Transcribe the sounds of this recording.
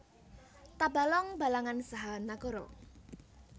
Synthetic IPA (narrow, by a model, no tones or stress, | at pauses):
t̪aba̤lɔŋbalaŋansaɦanaɡɔɾɔ̰